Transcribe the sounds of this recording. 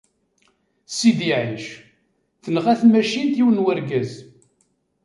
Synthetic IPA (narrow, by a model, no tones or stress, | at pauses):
sid̪iʕiʃ | θənʁæθmæʃint̪jiwənwæɾɡæz